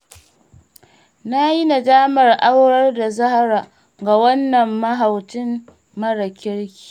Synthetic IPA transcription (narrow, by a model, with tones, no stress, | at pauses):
na˦ji˦na˨daː˦mɐ˨rʔa˦wɽɐ˦rda˨zɐ˦ha˦ɾaː˨ | ɡa˨wɐ˦nːɐ˨mːɐ˦ɦa˨wtɪ˦m | mɐ˦ɽa˨kʲɪ˦ɽkʲi̥ː˨